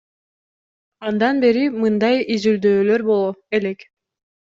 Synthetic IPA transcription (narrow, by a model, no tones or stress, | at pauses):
ɑnd̪ɑnbe̞ɾimɯnd̪ɑjizyld̪øːløɾbo̞lˠoelek